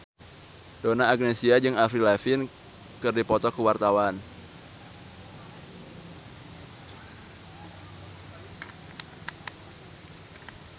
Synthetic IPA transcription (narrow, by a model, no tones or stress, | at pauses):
donaːɡ̚nesiad͡ʒɨŋafɾilafɪn | kɨrdipɔt̪ɔkuwart̪awan